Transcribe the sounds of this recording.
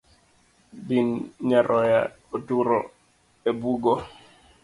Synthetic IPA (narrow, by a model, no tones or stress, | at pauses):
binɲaɾʔɔja̰ | otuɾɔ | ebuɡo